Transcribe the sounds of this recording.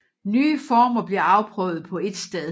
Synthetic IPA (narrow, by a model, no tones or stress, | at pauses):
nyːəfɒːmɐb̥liɐɑ̈ʊpʰʁœːʊð̩ˠpʰɒ̽e̝d̥sd̥eðˠ